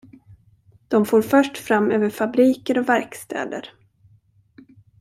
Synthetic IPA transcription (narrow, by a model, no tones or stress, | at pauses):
d̪̥ɔmfoːɾfœʂʈfɾamːøːvəɾfabɾiːkəɾɔvæɾkst̪ʰɛ̰ːd̪ə̰ɾ